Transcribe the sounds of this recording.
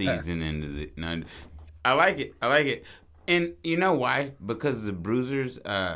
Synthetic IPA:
iizɨ̃nɪ̰̃ntʉðɨ̰ñ | aɪlaɪkɨt̚aɪlaɪkɪt̚ | ɨ̃njɨnoʊwaɪbɨkʰʌzðɨbɹʉzə˞zʌ̰

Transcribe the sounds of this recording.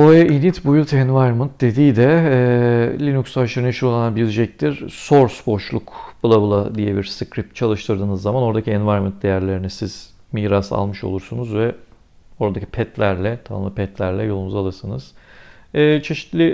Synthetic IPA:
oɛʔinit̪bujulˠt̪ʰɛnvajɾmɯnt̪̚d̪e̞d̪ijd̪ɛ | lʲinuksaʃɯɾɯnʃɯɾoananbilʲd͡ʒɛc̚t̪ʰiɾ̥so̞ɾsbo̞ʃlˠukbɯlˠabɯlˠad̪ijɛbiɾsɯkɾip̚t̪̚t͡ʃʰalˠɯʃt̪ʰɯɾd̪ɯːnɯzːamano̞ɾd̪acʰiɛnvaɾmɯnt̪̚d̪e̞jæɾlʲeɾinisiz̥ | miːɾasa̰lˠmɯʃo̞̰lˠuɾsunuzvɛ | o̞ɾad̪acʰi̥pʰɛt̪ʰlʲæɾlʲɛt̪ʰama̰mlˠapʰɛt̪lʲæɾlʲɛjo̞lˠunuzalˠɯɾsɯnɯz̥ː | t͡ʃʰe̞ʃi̥t̪lʲɪ

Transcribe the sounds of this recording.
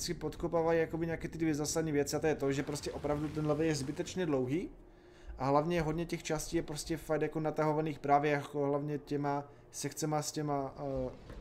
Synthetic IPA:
sɪpot̪kopaːvajijakobiɲɛakɛːt̪ɪdvjɛzaːsad̪niːvjɛt͡sɪat̪ojɛt̪oʒɛpɾoscɛʔopɾavdut̪̬ɛnlɛvɛjɛzbɪt̪ɛt͡ʃɲɛdlowɦiː | ʔaɦlavɲɛɦod̪ɲɛcɛxt͡ʃasciːjɛpɾoscɛfakt̪jakonat̪aɦovaniːxpɾaːvjɛjakoɦlavɲɛcɛma | sɛxt͡sɛmascɛma

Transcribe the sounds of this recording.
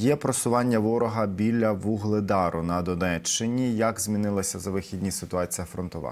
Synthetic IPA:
jɛpɾɔsʊʋɑnʲːɐʋɔɾɔɦɐbʲilʲːɐʋuɦlˠɪd̪ɑɾʊnɐd̪ɔnɛt͡ʃːɪnʲijɐɡzʲmʲinɪlˠɐsʲɐzɐʋɪxʲid̪ʲnʲisɪt̪ʊɑt͡sʲijɐfɾɔnt̪ɔʋɑ̰

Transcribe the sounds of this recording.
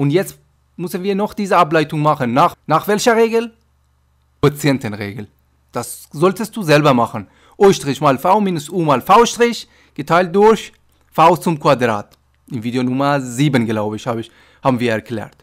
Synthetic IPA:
ʔʊntjɛt͡st | mʏsənviːɐnɔχd̥iːzəaplaɪtʊŋmaχənːaːχnaːχv̥ɛlçɐʁeːɡəl̩ | t͡sɛntənʁeːɡəl̩ | d̥as | zɔltəst̚d̥uːzɛlbɐmaχən | ʔoʏʃtʁ̥ɪçmaːlfaʊmiːnʊsʔuːmaːlfaʊʃtʁ̥ɪç | ɡ̥ətʰaɪlt̚d̥ʊɐç | faʊst͡sʊmkv̥adʁa̰ːt | ɪmviːdeonʊmɐziːbənɡlaʊbəɪçhaːbəɪç | haːbn̩viːɐɛɐkl̥ɛ̰ːɐt

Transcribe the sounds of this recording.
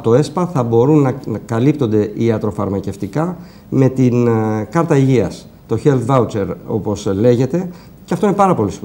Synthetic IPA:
t̪o̞e̞spɐθɐbo̞ɾunːɐkɐlipt̪o̞nd̪e̞ʔiɐt̪ɾo̞fɐɾmɐce̞ft̪ikɐ | me̞t̪inkɐɾt̪ɐiʝiɐs | t̪o̞çelθvɐut͡se̞ɾo̞̰po̞sle̞ʝe̞t̪e̞ | ceɐft̪oine̞pɐɾɐpo̞lis

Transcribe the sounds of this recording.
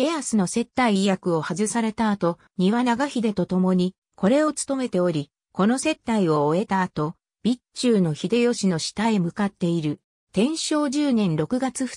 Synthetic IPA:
eeasɨno̞se̞t̪ːaijakɯ̟o̞hazɨsaɾe̞t̪aːt̪o̞ | ɲ̟iβanaɡaçid̪e̞t̪o̞t̪o̞mo̞ɲ̟i | kʰo̞ɾe̞o̞t͡sɨ̥t̪o̞me̞t̪e̞o̞ɾʲi | ko̞no̞se̞t̪ːaio̞ːe̞t̪aːt̪o̞ | b̥ʲit͡ɕɨːno̞çid̪e̞jo̞ɕino̞ɕi̥t̪aemɯ̟kat̪ːe̞iɾɯ̟ | t̪ẽ̞ɰ̃ɕo̞ːʑɨːnẽ̞nɾo̞kɯ̟ɡat͡sɨɸɯ̥

